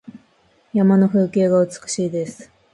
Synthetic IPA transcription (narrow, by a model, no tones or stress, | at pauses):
jamano̞ɸɯ̟ːke̞ːɡaɯ̟t͡sɨ̥kɯ̥ɕiːd̪e̞sɨ̥